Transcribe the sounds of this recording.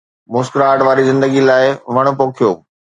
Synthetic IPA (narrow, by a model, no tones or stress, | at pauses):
mʊskɾaːɖʋaːɾizɪ̃nd̪əɡilaːɪʋɐɽ̃ʊ̆poːkʰijoː